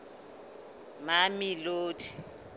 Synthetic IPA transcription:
mamiloːtʰʼi̥

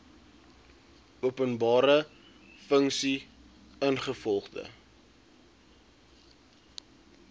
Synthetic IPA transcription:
uəpənbɑːɾə | fəŋksi | ənχəfɔlˠχdə̰

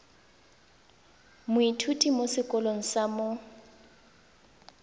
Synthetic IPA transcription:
mʊitʰutʼimosɪkʼɔloŋ̩samo

